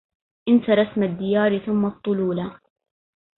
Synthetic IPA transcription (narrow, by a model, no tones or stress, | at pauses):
ʔɪnt̪aɾˤɑsmad̪ːɪjaːɾɪθʊmːɑt̪ˤːʊluːla